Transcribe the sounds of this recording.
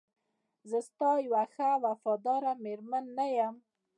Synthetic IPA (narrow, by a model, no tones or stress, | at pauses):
zəst̪ɑjwaxawafɑd̪ɑɾameɾmanːajam